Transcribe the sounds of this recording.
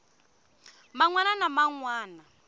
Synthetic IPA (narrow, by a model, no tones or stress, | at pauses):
maŋwananamaŋwaːna